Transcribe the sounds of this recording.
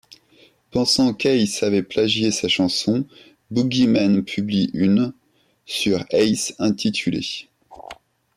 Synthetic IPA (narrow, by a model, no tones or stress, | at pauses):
pɑ̃sɑ̃kɛjsavɛplaʒjesaʃɑ̃sɔ̃ | buɡʲimanpʰybliʔyn | syʁɛjsɛ̃t̪ʰit̪ʰylḛ